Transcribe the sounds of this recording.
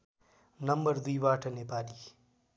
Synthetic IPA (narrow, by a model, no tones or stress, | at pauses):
nʌmbʌrd̪ujbaːʈʌnepaːli